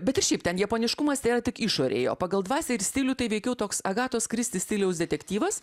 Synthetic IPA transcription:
bʲɛt̪ɪɾʃʲɛɪpt̪ʲɛnjɛpoːnʲɪʃkʊmɐst̪ʲeːɾɐt̪ʲɪkiʃoːɾʲḛːjo̰ːpɑɡɐlˠd̪ʋɑːsʲɛːɪɾsʲt̪ʲɪlʲuːt̪ɐɪʋʲɛɪkʲɛʊt̪oːksɐɡɑːt̪oːskɾʲɪst̪ʲɪsʲt̪ʲɪlʲɛʊsd̪ʲɛt̪ʲɛkt̪ʲiːʋɐs

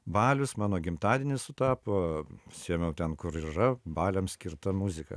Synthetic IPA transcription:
bɑːlʲʊsmɑːnoːɡʲɪmt̪ɑːd̪ʲɛnʲɪssʊt̪ɑːpoːsʲiɛmʲɛʊt̪ʲɛnkʊɾirɐbɑːlʲɛmsʲkʲɪɾt̪ɐmuzʲɪkɐ̰

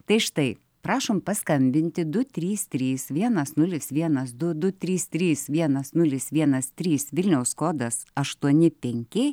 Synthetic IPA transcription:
t̪ɐɪʃt̪ɐɪ | pɾɑːʃoːmpɐskɐmʲbʲɪnʲt̪ʲɪd̪ʊt̪ʲɾʲiːst̪ʲɾʲiːsʋʲiɛnɐsnʊlʲɪsʋʲiɛnɐsd̪ʊd̪ʊt̪ʲɾʲiːst̪ʲɾʲiːsʋʲiɛnɐsnʊlʲɪsʋʲiɛnɐst̪ʲɾʲiːsʋʲɪlʲnʲɛʊskoːd̪ɐsɐʃt̪uɔnʲɪpʲɛŋʲkʲɪ

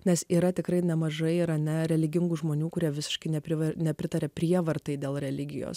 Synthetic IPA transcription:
nʲɛsiːɾɐt̪ʲɪkɾɐɪnʲɛmɐʒɐɪɪɾɐnʲɛɾʲɛlʲɪɡʲɪŋɡuːʒmoːnʲuːkʊɾʲiɛʋʲɪsʲɪ̥ʃkɐɪnʲɛpʲɾʲɪʋɐnʲɛpʲɾʲɪt̪ɐɾʲɛːpʲɾʲiɛʋɐrt̪ɐɪd̪ʲeːlˠɾʲɛlʲɪɡʲɪjo̰ːs

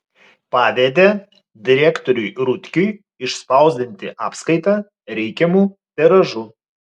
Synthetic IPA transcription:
pɑːʋʲeːd̪ʲeː | d̪ʲɪɾʲɛːkt̪ɔɾʲʊjɾʊt̪ʲkʲʊj | ɪʃspɐˑʊzʲd̪ʲɪnʲt̪ʲɪʔɑːpskɐɪt̪ɑː | ɾʲɛɪkʲɛmuːt̪ʲɛɾɐʒu

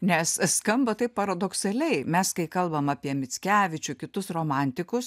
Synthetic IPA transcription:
nʲɛsskɐmbɐt̪ɐɪp̚pɐɾɐd̪oːksɐlʲɛɪmʲɛskɐɪkɐlˠbɐmɑpʲiɛmʲɪt͡sʲkʲæːʋʲɪt͡ʃʲʊkʲɪt̪ʊsroːmɑnʲt̪ʲɪkʊs

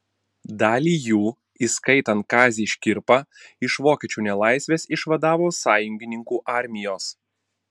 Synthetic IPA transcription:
d̪ɑːlʲiːjuː | iskɐɪt̪ɐnt̪̚kɑːzʲiːʃʲkʲɪɾpɑɪʃʋoːkʲɛt͡ʃʲuːnʲɛlˠɑˑɪsʲʋʲeːsɪʃʋɐd̪ɑːʋoːsɑːjʊŋʲɡʲɪnʲɪŋkuːʔɑˑɾʲmʲɪjoːs

